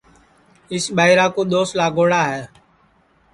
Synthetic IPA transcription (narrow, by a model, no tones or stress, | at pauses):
ɪsɓaːɪɾaːkoːɗ̪oːslaːɡoːɽaːɦɛː